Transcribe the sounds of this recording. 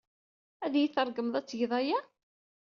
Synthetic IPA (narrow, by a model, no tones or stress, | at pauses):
æðjiθəɾˤɡəmðˤæt͡sːjðˤɑjæ